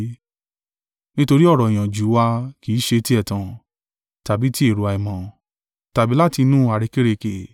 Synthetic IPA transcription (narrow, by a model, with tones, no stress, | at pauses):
nĩ˦to˧ɾi˦ɔ˦˨ɾɔ˨i˨j̃ã˨d͡ʒu˨˦wa˧ki˨˦ʃe˧ti˦ɛ˦˨tã˨ | ta˨bi˨˦ti˦e˦˨ɾu˨a˧i˨mɔ̃˨ | ta˨bi˨˦la˦ti˧nũ˦˨a˨ɾe˧ke˦ɾe˧ke˨